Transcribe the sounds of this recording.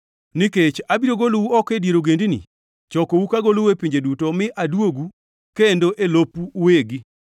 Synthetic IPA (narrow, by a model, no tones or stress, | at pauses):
niket͡ʃabiɾoɡolowuɔkedieɾoɡendinḭ | t͡ʃɔkowukaɡolowepiɲd͡ʒedutomɪʔadwoɡu | kendoʔelopuweɡi